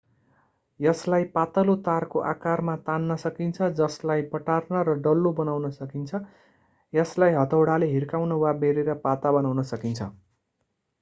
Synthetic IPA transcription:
jʌslajpat̪ʌlot̪arkoʔakarmat̪anːʌsʌkint͡sʰʌd͡zʌslajpʌʈarnʌɾʌɖʌlːobʌnawnʌsʌkint͡sʰʌ | jʌslajɦʌt̪ʰʌwɽaleɦirkawnʌwabeɾeɾʌpat̪abʌnawnʌsʌkint͡sʰʌ̰

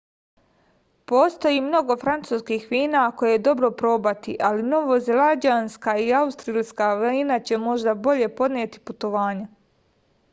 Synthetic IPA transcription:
po̞ːst̪o̞jiːmno̞ɡo̞fɾant̪suːskiːxʋiːnako̞jed̪o̞bɾo̞pɾo̞ːbat̪iʔalino̞ʋo̞zelad͡ʑaːnskaiaust̪ɾiːlskaʋinat͡ɕe̞mo̞ʒd̪abo̞ʎe̞po̞d̪neːt̪i̥put̪o̞ʋaːɲe

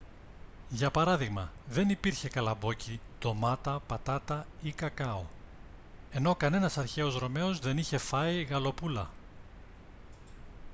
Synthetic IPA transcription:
ʝɐpɐɾɐðiɣmɐðe̞nipiɾçe̞kɐlɐbo̞cit̪o̞mɐt̪ɐpɐt̪ɐt̪ɐikɐkɐo̞̰ | e̞no̞kɐne̞nɐsɐɾçe̞o̞zɾo̞me̞o̞zðe̞niçe̞fɐiɣɐlo̞pulɐ̰

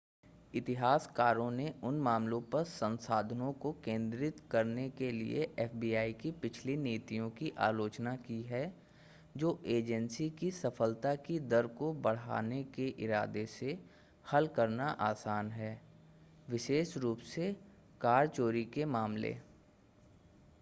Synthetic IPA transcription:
ɪt̪ɪɦaːskaːɾõneʊnmaːmlõpɐɾsə̃nsaːd̪ʱnõkokẽːnd̪ɾɪt̪kɐɾnekelḭḛʔɛːfbiːaːikipɪt͡ʃʰlineːt̪ijõkiʔa̰ːloːt͡ʃnakiɦɛ | d͡ʒoːʔeːd͡ʒənsikisɐfəlt̪akid̪ɐɾkobɐɽ̤ɦa̰ːnekeʔɪɾaːd̪ese | hɐlkɐɾnaʔaːsaːnɦɛː | ʋɪʃeːʃɾuːpse | kaːɾt͡ʃoːɾikemaːmlḛː

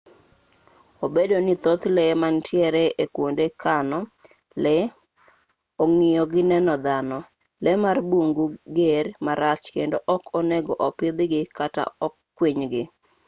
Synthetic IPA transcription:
obedonit̪ot̪lɛmantʰjɛɾɛʔekwondekʰanɔ | lɛ | oŋɪjɔɡɪnɛnɔd̪anɔ | lɛmarboŋɡuɡeɾmaɾat͡ʃkendoʔɔkoneɡoʔɔpɪd̪ɡɪkata̰ɔkːwiɲɡɪ

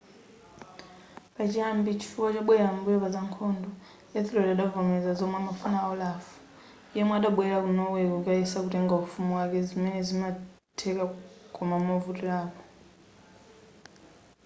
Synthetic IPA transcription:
pat͡ʃiambit͡ʃʰi̥fukat͡ʃaɓwɛjambuɛβazaŋkʰɔndɔ | ɛθilɔdaɗavɔmɛzazɔmwamafunaɔlafu̥ | jɛmwaɗaɓwɛɾakunɔwɛkɔkaisakutɛŋɡaufumuwakɛzimɛnɛzima | tʰɛkakɔmamɔvutilaːpɔ̥

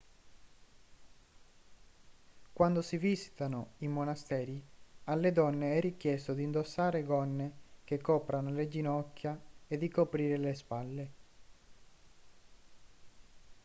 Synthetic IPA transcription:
kwand̪osivisi̥t̪anoimonast̪ɛːɾialːed̪ɔnːeɛrikjɛst̪od̪iːnd̪osːaːɾeɡɔnːekekʰːɔːpɾanoled͡ʒinɔkːjaed̪ːikopɾiːɾelespalːe

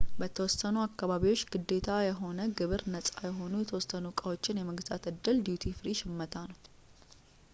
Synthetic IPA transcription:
bət̪ʰəwɔsənuakːaβaβiwot͡ʃːɡɨd̪ːe̞t̪ʰajɛɦo̞nəɡɨβɨɾnəsʼajɛɦo̞nujɛt̪ʰəwɔsənukʼawo̞t͡ʃːɪnjɛməɡza̰t̪ɨd̪ːɨld̪jut̪ʰifɾiʃɪmːət̪ʰanəw

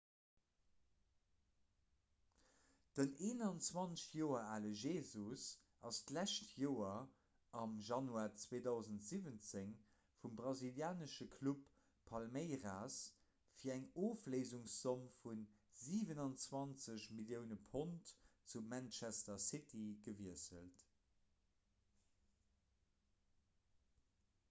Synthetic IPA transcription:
d̥əneːnɑnt͡swɑnsjoːɐaːləʒeːzus | ʔɑstlæʃtjoːɐ | ɑmʒɑnuaːt͡sweːdɑʊzəntz̥ivənt͡seŋ | fumbʁɑziljaːnəʃəkʰlupʰː | ɑlmeɪʁaːs | fiːɐæŋoːfleɪzuŋsːomfunziːvənɑnt͡swɑnt͡səɕmiljəʊnəpʰontt͡sumænt͡ʃæstɐsɪtʰiɡəviəsə̰lt

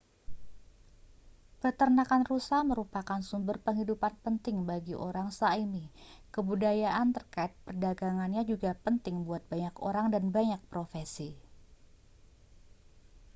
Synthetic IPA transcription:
pərt̪ərnakanrusaməɾupakansumbərpəŋɦidupanpənt̪ɪŋbaɡiʔo̰ɾaŋsaimikəbudajaʔant̪ərkaɪt̪̚pərdaɡaŋanɲad͡ʒuɡapənt̪ɪŋbuat̪̚baɲako̰ɾaŋdanbaɲak̚pɾofesi

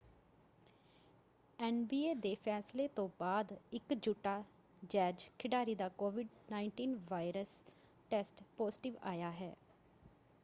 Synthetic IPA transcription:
ɛːnbiːeːd̪eːpʰɛːsleːt̪õːbaːd̪ɪkd͡ʒuːʈaː | d͡ʒɛːd͡ʒkʰɪɖaːɾiːd̪aːkoːʋɪɖnaːɪɳʈiːnʋaːɪɾəs | ʈɛːsʈpoːzɪʈɪʋa̰ːjaːɦɛː

